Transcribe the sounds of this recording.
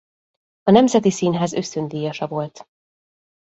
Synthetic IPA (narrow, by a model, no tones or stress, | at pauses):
ɒnɛmzɛt̪isiːnɦaːzø̞st̪ønd̪iːjɒʃɒvo̞lt̪